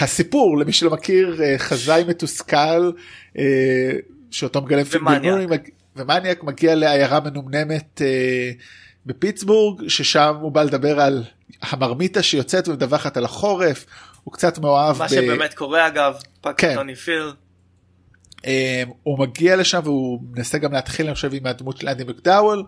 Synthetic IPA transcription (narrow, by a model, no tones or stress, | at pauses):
hasipuʁlemiʃulomakiʁeχazajme̞tuskalʔe | ʃeoto̞meɡalemfiminujma | vemanjakmaɡiale̞ajaʁame̞numne̞me̞te | be̞pitt͡sbuʁɡʃeʃamhubale̞dabe̞ʁal | hamaʁmitaʃejo̞t͡setvedavaχatalaχo̞ʁe̞fhukt͡satmeoavʃbeemet̪koʁeaɡavpakeonifil | ʔemumaɡialeʃamveumenaseɡamleat̪χilaniχʃevimad̪mutʃelʔandimikdawel